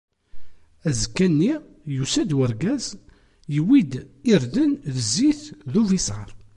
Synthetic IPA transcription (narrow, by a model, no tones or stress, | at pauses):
æzkːænːi | jusæd̪wəɾɡæz | jəwid̪iɾðənðəzːiθðuvisʁə̰ɾˤ